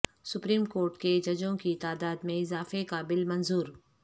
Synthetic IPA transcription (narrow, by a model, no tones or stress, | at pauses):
sʊpɾiːmkoːɾʈked͡ʒɐd͡ʒõkit̪aːd̪aːd̪mẽɪzaːfekabɪlmɐnzuːɾ